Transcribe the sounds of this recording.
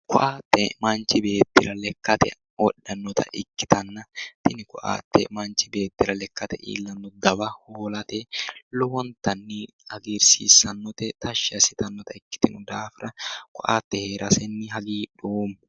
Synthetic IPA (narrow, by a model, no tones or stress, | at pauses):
kʊʔaːt̪ːɛ̰mɐnt͡ʃɪbeːt̪ːɪɾɐlɛkːɐt̪ɛ̰ | wɔᶑːɐnːɔt̪ʰɐ̰ʔɪkːɪ̥t̪ɐnːɐt̪ɪnɪkʊʔa̰ːt̪ːɛ̰mɐnt͡ʃɪbe̞ːt̪ːɪɾɐlɛkːɐt̪ɛʔḭːlːɐnːɔd̪ɐbɐhoːlɐt̪ɛlɔwɔnt̪ɐnːi | ɐɡiɾsḭːsɐnːɔt̪ɛt̪ɐʃːɪɐsɪt̪ɐnːɔt̪ɐɪkːɪ̥t̪ɪnʊd̪aːfɪɾɐkʊʔa̰ːt̪ːɛheːɾʔɐsɛnːɪɦɐɡiːᶑoːmʊ